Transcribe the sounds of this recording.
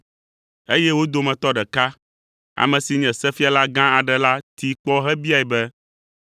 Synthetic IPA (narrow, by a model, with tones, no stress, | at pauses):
e˦jɛ˦wo˦d̪o˨mɛ̃˨t̪ɔ˦ɖɛ˨ka˦ | a̰˨mɛ̃˨si˨ɲɛ̃˨sɛ˦fi˦a˨la˦ɡã˦a˨ɖɛ˨la˦t̪i˨k͡pɔ˦ɦɛ˦bi˦a˨ɛ˨bɛ˦